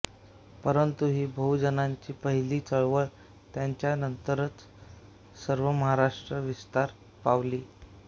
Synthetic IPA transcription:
pəɾənt̪uɦiːbʱəud͡ʑənaɲt͡ɕiːpəɦiliːt͡səɭʋəɭ | t̪jaɲt͡ɕjanənt̪əɾət͡s | səɾʋəməɦaɾaʂʈɾəʋist̪aɾ | paʋliː

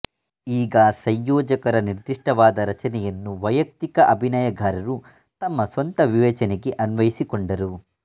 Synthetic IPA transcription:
iːɡɐsɐjjɔːd͡ʒɐkɐɾɐniɾd̪iʂʈɐʋaːd̪ɐɾɐt͡ʃɐnɛjɐnːuʋɐjɐk̚t̪ikɐʔɐbʱinaːjɐɡʱaːɾɐɾu | t̪ɐmːɐsʋɐnt̪ɐʋiʋɛːt͡ʃɐneɡe̞ʔɐnʋɐjisikoɳɖɐɾu

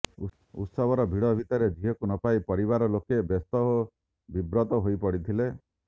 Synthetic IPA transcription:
ṵt̪sɔbʱɔɾɔbʱiɽɔbʱit̪ɔɾed̪ʱiɦɔkunɔpaipɔɾibaɾɔlokebest̪ɔɦo | bibɾɔt̪ɔɦojpɔɽit̪ʰile

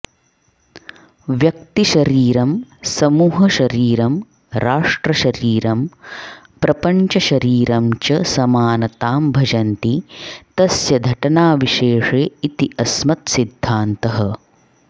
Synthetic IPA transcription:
ʋjɐk̚t̪iʃɐɾiːɾɐmsɐmuːɦɐʃɐɾiːɾɐm | ɾaːʂʈɾɐʃɐɾiːɾɐm | pɾɐpɐɲt͡ʃɐʃɐɾiːɾɐmt͡ʃɐsɐmaːnɐt̪aːmbʱɐd͡ʒɐnt̪it̪ɐsjɐd̪ʱɐʈɐnaːʋiʃeːʂeːit̪iʔɐsmɐt̪sid̪ʱːaːnt̪ɐɦɐ̆

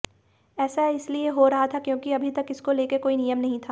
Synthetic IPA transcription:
ɛːsaɪslieɦoɾɐɦat̪ʰakjõːkiɐbʱit̪ɐkɪskoleːkekoːinijəmnɐɦĩt̪ʰaː

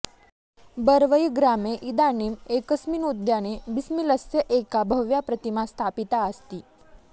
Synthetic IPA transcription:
bəɾʋəjɡɾameʔid̪animekəsmiːnud̪janebismiləsjəʔekabʱəʋjapɾət̪imãst̪ʰapit̪aəst̪iː

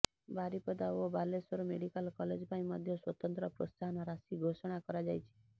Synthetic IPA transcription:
baɾipɔd̪aobalesɔɾomeɽikalkɔled͡ʒpajmɔd̪ʱjɔswɔt̪ɔnt̪ɾɔpɾost̪aɦɔnɔɾasiɡʱosɔɽ̃akɔɾad͡ʒajt͡ʃʰi̥

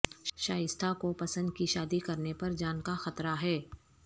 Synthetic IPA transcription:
ʃaːjɪst̪ʰakopɐsə̃nd̪̚kiʃaːd̪ikɐɾnepɐɾd͡ʒaːnkaxɐt̪ɾaɦɛː

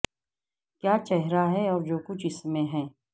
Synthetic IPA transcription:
kjaːt͡ʃɛɦɾaɦɛɔːɾd͡ʒoːkʊt͡ʃʰɪsmẽɦɛ̃ː

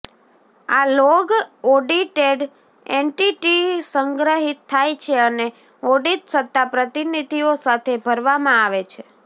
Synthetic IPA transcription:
aloɡɔɖiʈeɖ | eɳʈiʈisəŋɡɾəɦit̪ʰːajt͡ʃʰeəne | ɔɖit̪sət̪ːapɾət̪inid̪ʱiosat̪ʰebʱəɾʋamãaʋet͡ʃʰe

